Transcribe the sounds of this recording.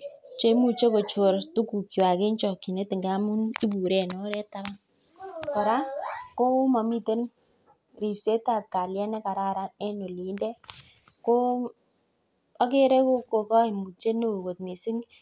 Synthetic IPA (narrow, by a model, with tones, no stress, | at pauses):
t͡ʃe˦i˦mu˨t͡ʃe˦ko˨t͡ʃo˨ɾtu˦ku˨ki˨wa˨ke˦nt͡ʃɔ˨ki˨ne˦tɪ˨ŋɡa˦mu˦ni˦bu˨ɾɛ˦˨no˦ɾɛ˦ta˦ɾa˦n | kɔ˨ɾa˦ko˦ma˨mi˦te˦n | ɾi˨se˦ta˦˨t̚ka˨ljɛ˦nɛ˦ka˨ɾa˦ɾa˦nɛ˦no˨li˨˦ndɛ˦ | ko˦ | a˦ke˦ɾe˦ko˦ko˨kɔ˦i˨mu˨t͡ʃe˦no˦o˨ko˨t̪̚mi˨sɪ˦ŋ